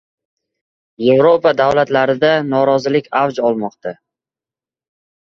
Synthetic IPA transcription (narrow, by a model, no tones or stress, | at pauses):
je̞vɾopad̪awlat̪laɾɪd̪anɒɾɒzɪlɪkʲʰawd͡ʒɒlˠmɒqt̪ʰa